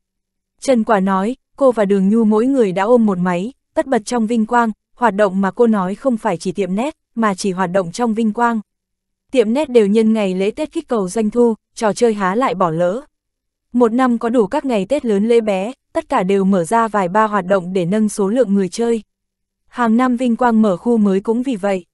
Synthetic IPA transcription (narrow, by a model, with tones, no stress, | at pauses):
t͡ɕə˨˩nkwaː˨˩nɔ˨˦j | ko˧vaː˨˩ɗɨ˨˩əŋɲu˧mo̰˧˥jŋɨ˨˩əjɗa̰ː˧˥ʔo˧mːo˨˩t̚ma˨˦jt̪ə˦˥t̚ɓə˨˩t̚t͡ɕɔ˧wŋ͡mvï˧ŋ̟kwaː˧ŋ | hwaː˨˩t̚ɗo̰˧˨wŋ͡mmaː˨˩ko˧nɔ˨˦jxə˧wŋ͡mfaː˧˩jt͡ɕi˧˩t̪ḭ˧˨əmnɛ˦˥t̚maː˨˩t͡ɕi˧˩ɦwaː˨˩t̚ɗo̰˧˨ŋ͡mt͡ɕɔ˧wŋ͡mvï˧ŋ̟kwaː˧ŋ | t̪ḭ˧˨əmnɛ˦˥t̚ɗe˨˩wɲə˧nŋa˨˩jlḛ˧˥t̪e˦˥t̚ki˦˥k̚kə˨˩wzwa˧jŋ̟t̪ʰu˧ | t͡ɕɔ˨˩t͡ɕəː˧jɦaː˨˦la̰ː˧˨jɓɔ˧˩lə̰ː˧˥ | mo˨˩t̚na˧mkɔ˨˦ɗu˧˩kaː˦˥k̚ŋa˨˩jt̪e˦˥t̚ləː˨˦nlḛ˧˥ɓɛ˨˦t̪ə˦˥t̚kaː˧˩ɗe˨˩wməː˧˩zaː˧vaː˨˩jɓaː˧ɦwaː˨˩t̚ɗə̰˧˨wŋ͡mɗe˧˩nə˧nso˨˦lɨ̰˧˨əŋːɨ˨˩əjt͡ɕəː˧j | haː˨˩ŋna˧mvï˧ŋ̟kwaː˧ŋməː˧˩xu˧məː˨˦jkʊ̰˧˥ŋ͡mvi˨˩və̰˧˨jʔ